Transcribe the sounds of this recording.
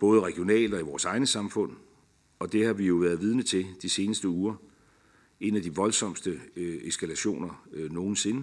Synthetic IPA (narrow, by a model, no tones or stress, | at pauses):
b̥ɔ̽ːð̞ˠəʁɛɡ̥ijo̝nɛ̰ːld̥ɒ̽iʋɒːsɑ̈ɪnəsɑ̈mfɔ̽n̰ | ɒ̽d̥e̝hɑ̈ʋijo̝ʋæːɐðˠʋið̞ˠnət͡sʰe̝d̥ise̝ːnəsd̥əuːɐ | e̝næd̥iʋɒ̽lsɒ̽m̰sd̥əesɡ̥ælæɕo̝̰ːnɐno̝ːn̩se̝nə